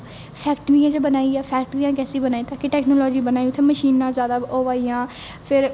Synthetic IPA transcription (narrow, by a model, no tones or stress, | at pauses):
pʰɛːkʈʋĩːãːd͡ʒeːbənaːiːɛːpʰɛːk̚ʈəɾijãːk̬ɛːsiːbənaːiːt̪aːkɪʈɛːknoːlɔːd͡ʒiːbənaːiʊt̪ʰːẽːməʃiːnːãːzjaːd̪aːoːʋaːijãː | pʰɪɾ